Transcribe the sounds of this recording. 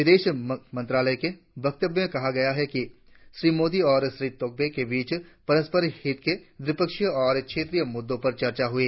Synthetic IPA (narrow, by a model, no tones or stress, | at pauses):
ʋɪd̪eːʃmɐ̃nt̪ɾaːləjke | bɐk̚t̪əbjmẽkɐɦaɡɐjaɦɛki | ʃɾiːmoːd̪iɔːɾʃɾiːt̪oːk̚bekebiːt͡ʃpɐɾəspəɾhɪt̪ked̪ɾɪpəkʃjɔːɾkʃʰeːt̪ɾijəmʊd̪ːõpɐɾt͡ʃɐɾt͡ʃaɦʊeː